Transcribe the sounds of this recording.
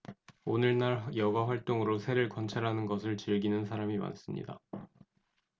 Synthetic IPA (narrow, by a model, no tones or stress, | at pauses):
onɯɭnaɭjʌɡaɸwaɭt͈oŋɯɾosʰeɾɯɭkʌnt͡ɕʰaɾɦanɯnɡʌsʰɯɭt͡ɕɯɭɡinɯnsʰaɾamima̰ns͈ɯmɲḭda̰